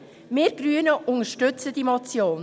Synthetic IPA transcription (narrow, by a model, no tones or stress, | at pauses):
mɪːɾɡ̥ɾyənəʔʊŋəʃtʏt͡sədimot͡sjoːn